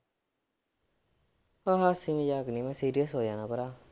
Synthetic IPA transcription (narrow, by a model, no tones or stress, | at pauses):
aɦasimejaknimesidias̬ojanabəɾa